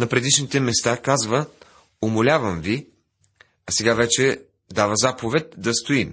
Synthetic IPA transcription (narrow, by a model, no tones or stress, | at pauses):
nɐpɾɛd̪iʃnit̪ɛmɛst̪akazvə | omolʲavɐmvi | ɐsɛɡavɛt͡ʃɛ | d̪avəzapovɛt̪̚d̪ɐst̪oim